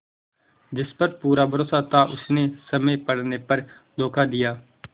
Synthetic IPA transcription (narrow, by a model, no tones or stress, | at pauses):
d͡ʒɪspəɾpuːɾaːbʱəɾoːsaːt̪ãːʔʊsneːsəmẽːpəɽneːpəɾ | d̪oːkaːd̪ɪjaː